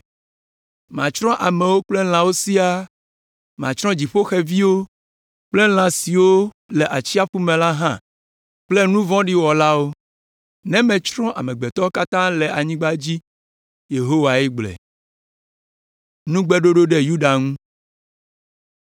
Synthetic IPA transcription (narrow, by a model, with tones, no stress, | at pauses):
mã˨t͡ʃɾɔ̃˦ʔa˨mɛ̃˨wo˦k͡plɛ˦l̃ã˨wo˦si˦a˦ | mã˨t͡ʃɾɔ̃˦d͡ʑi˨ɸo˦xɛ˦vi˦wo˦ | k͡plɛ˦l̃ã˨si˨wo˦ | le˨ʔa˨t͡ɕi˦a˦fu˦mɛ̃˨la˦ɦã˦ | k͡plɛ˦nũ˦vɔ̃˦ɖi˦wɔ˨la˦wo˦ | nɛ̃˦mɛ̃˨t͡ʃɾɔ̃˦ʔa˨mɛ̃˨ɡ͡bɛ˨t̪ɔ˦ka˦t̪ã˦lɛ˨a˨ɲĩ˦ɡ͡ba˦d͡ʑi˦ | je˨ɦo˦wa˨ɛ˦ɡ͡blɛ̰˨ | nũ˦ɡ͡bɛ˦ɖo˦ɖo˦ɖe˦ju˦ɖa˨ŋũ˦